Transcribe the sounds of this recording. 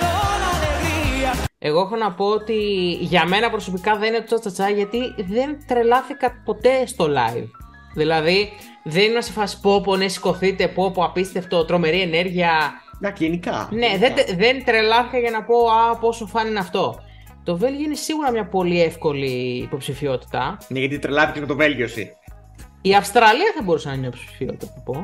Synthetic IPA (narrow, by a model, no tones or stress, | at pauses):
ɐneviɐe̞ɣoexo̞nɐpo̞ot̪iʝɐme̞nɐpɾo̞so̞pikɐðeninet̪ot͡sɐt͡sɐt͡sɐʝɐt̪iðe̞nt̪ɾe̞lɐθikɐpo̞t̪e̞st̪o̞lɐ̰iv | ðilɐði | ðe̞ninnɐsefɐsi̥poponesi̥ko̞θit̪e̞popoɐpist̪eft̪o̞t̪ɾo̞me̞ɾie̞ne̞ɾʝiɐd̪ɐkenikɐ̰ne̞ðed̪ðe̞nt̪ɾe̞lɐθikɐʝɐnɐpo̞ɐpo̞sofɐninɐft̪o̞ | t̪o̞ve̞lʝio̞ine̞siɣuɾɐmɲɐpo̞liefko̞liːpo̞psifio̞t̪i̥t̪ɐneʝɐt̪it̪ɾelɐθikemet̪ove̞lʝosḭ | iɐfst̪ɾɐliɐθɐbo̞ɾusɐnɐiɲnɐpospsi̥fiot̪it̪ɐpɐpo